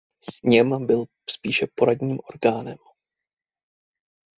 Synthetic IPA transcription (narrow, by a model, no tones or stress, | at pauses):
sɲɛmbɪl | spiːʃɛpo̞ɾadɲiːmʔo̞ɾɡaːnɛm